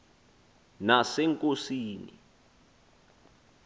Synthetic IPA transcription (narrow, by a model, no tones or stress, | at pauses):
nasɛŋkʼosiːnḭ